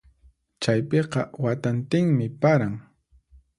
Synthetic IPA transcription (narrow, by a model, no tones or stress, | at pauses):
t͡ʃajpeqɑwat̪ant̪ɪŋmɪpaɾaŋ